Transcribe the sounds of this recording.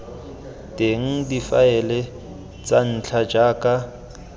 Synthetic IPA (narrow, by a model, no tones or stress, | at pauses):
tʼeŋ̩difaɛlɛ | t͡san̩t͡ɬʰad͡ʒaːkʼa